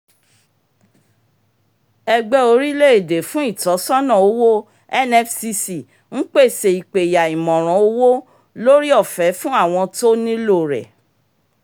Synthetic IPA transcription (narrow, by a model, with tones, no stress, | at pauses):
ɛ˧ɡ͡bɛ˧o˧ɾi˦le˦e˦˨de˨fũ˨˦i˦˨tɔ˨˦sɔ̃˦nã˦˨o˨˦wo˦ | ɛ˦nɛ˦fsi˧si˨ | ŋ̩˦k͡pe˦˨se˨i˨k͡pe˨ja˨i˨mɔ̃˨ɾ̃ɔ̃˨˦o˧˦wo˦ | lo˦ɾi˦ɔ˦˨fɛ˨˦fũ˦a˦˨w̃ɔ̃˧to˦nĩ˦lo˦˨ɾɛ̰˨